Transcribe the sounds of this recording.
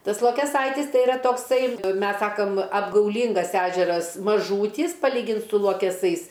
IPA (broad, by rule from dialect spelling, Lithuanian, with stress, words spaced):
ˈtɐs lˠoːkʲɛˈsɐɪtʲɪs ˈtɐɪ ɪˈrɐ toːkˈsɐɪ ˈmʲɛs ˈsɑːkɐm ɐbɡɐʊˈlʲiːŋɡɐs ˈæːʒʲɛrɐs mɐˈʒuːtʲiːs pɐˈlʲiːɡʲɪnt sʊ lˠuɔkʲɛˈsɐɪs